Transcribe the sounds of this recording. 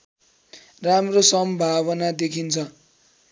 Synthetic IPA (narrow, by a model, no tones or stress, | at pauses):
ramrosʌmbʱaβʌnad̪ekʰint͡sʰʌ